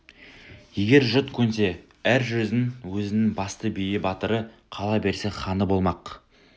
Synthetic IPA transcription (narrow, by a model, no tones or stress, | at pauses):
je̞ɡʲe̞ɾʒʊt̪kʲʰɵnse̞ | æɾʒɵzɪŋwɵzɪnɪŋbɑst̪əbejɪbɑt̪əɾəqʰɑlˠɑbe̞ɾse̞χɑnəbo̞lˠmɑq